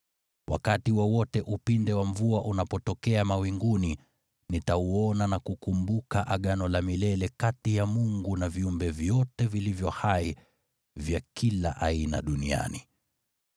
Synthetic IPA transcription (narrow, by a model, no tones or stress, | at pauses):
wʔa̰katiwɔwɔtɛʔupindɛwaɱvuaʔunapɔtɔkɛamawiŋɡuni | nitauɔnanakukumbukaʔaɠanɔlamilɛlɛkatijamuŋɡunaviumbɛvjɔtɛvilivjɔhai | vjakʰila̰ʔaina̰ɗunia̰ni